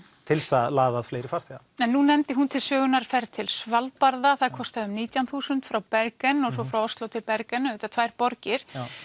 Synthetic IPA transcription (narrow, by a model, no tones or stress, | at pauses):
t̪ʰɪlsaðlaːðaðfleːjɾɪ̥faɾ̥t̪ | ɛnːunːɛmt̪ɪɦunt̪ʰɪlsœːɣʏnaɾ̥fɛɾt̪ʰɪlsvalpaɾðaθaðkʰɔst̪aðʏmniːt̪jawnθuːsʏnt̪fɾawpɛɾkɛnːɔɣsɔfɾawɔst̪lowt̪ʰɪlpɛɾkɛnɪːt̪at̪ʰvaːjɾpɔɾcɪɾ̥